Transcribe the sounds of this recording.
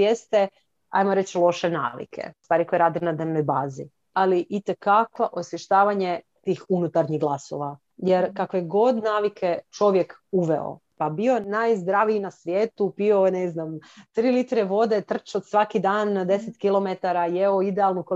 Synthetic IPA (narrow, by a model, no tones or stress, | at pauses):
jest̪e | a̰jmoɾet͡ɕlˠo̞ʃena̰ːʋḭkʰḛust̪aːɾikojeɾad̪ɾnad̪neʋnojbaːzi | aliʔit̪ekaklaʔosʋjeʃt̪aːʋaɲe̞t̪iːxunut̪aɾɲiɣɡlˠaso̞̰ʋa | jeɾkakoejeɡo̞d̪naːʋikʰe̞t͡ʃo̞ʋjekuʋḛo̰pabio̞najzd̪ɾaʋiinasʋjeːt̪upioneznamt̪ɾiːlit̪ɾeʋo̞d̪e̞t̪r̩t͡ʃot̪sʋakid̪aːnd̪e̞set̪kilˠo̞met̪aɾajeoid̪ealˠnuko